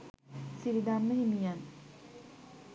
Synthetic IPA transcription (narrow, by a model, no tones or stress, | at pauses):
siɾid̪amːəhimijan